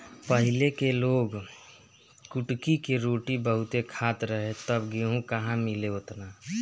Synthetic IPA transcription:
pəɦɪlekeloːɡ | kʊʈkikeɾoːʈibəɦʊt̪ekʰaːt̪ɾəɦet̪əbɡeɦũkɐɦãmɪleot̪naː

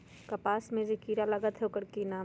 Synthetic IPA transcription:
kɐpaːsmẽd͡ʒikiːɾalɐɡət̪ɦekəɾkinaː

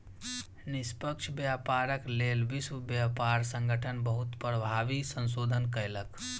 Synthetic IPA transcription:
nɪspəkʃʰbjaːpaːɾəkleːlʋɪsʋəbjaːpaːɾsə̃ŋɡʱəʈʰənbəɦʊt̪pɾəbʱaːʋisə̃nsoːd̪ʱənkəjlək

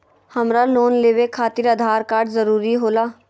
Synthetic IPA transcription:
həmɾaloːnleːʋekʰaːt̪ɪɾəd̪ʱaːɾkaːɾɖzəɾuːɾiɦoːlaː

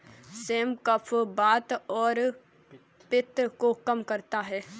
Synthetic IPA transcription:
seːmkəpʰbaːt̪ɔːɾ | pɪt̪ɾəkokɐmkɐɾt̪aɦɛː

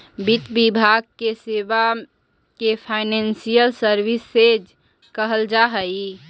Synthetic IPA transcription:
bit̪bibʱaɡ̚keseʋa | kepʰaɪnensijəlsəɾʋisːed͡ʒ | kəɦəld͡ʒaɦəi

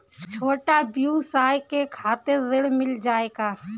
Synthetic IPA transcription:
t͡ʃʰoːʈabjusaːjkekʰaːt̪eɾd̪ɪɽmɪld͡ʒaːeːɡaː

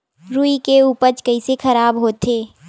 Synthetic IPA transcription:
ɾuːikeuːpət͡ʃkɐisexɐɾaːbɦoːt̪eː

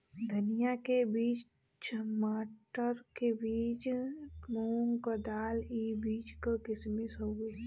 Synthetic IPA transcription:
d̪ʱənijakebiːt͡ʃ | t͡ʃəmaːʈəɾkebiːt͡ʃmoːŋkəd̪aːliːbiːt͡ʃkəkɪsmisəu

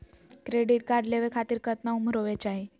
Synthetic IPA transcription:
kɾeɖiʈ̚kaɖleʋekʰat̪iːɾkət̪nauməɾoʋɛt͡ɕaɦe

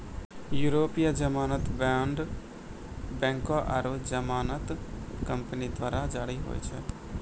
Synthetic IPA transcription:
juːɾoːpijad͡ʒəmaːnət̪baːɳɖ | bɛ̃ːŋkoʔə̰ɾod͡ʒəmaːnət̪kəmpənid̪waːɾad͡ʒaːɽiɦo̰ːḭt͡ʃʰɛ

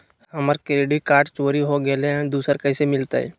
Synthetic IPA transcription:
hɐməɾkɾeːɖikaːɾʈt͡ʃoːɾiɦoɡeleɦɛ̃d̪uːsəɾkəːsemɪlt̪a̰ɦɛ̰ː

